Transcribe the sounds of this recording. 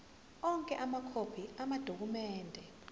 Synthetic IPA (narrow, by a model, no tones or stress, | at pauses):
ɔŋkʼɛʔamakʰopʰiamad̥ʱok̬umɛːndʱɛ